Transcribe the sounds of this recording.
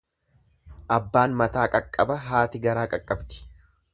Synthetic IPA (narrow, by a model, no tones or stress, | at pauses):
ʔɐbːaːnmɐt̪aːkʼɐkʼːɐbɐɦaːt̪ɪɡɐɾaːkʼɐkʼːɐbt̪ɪ̥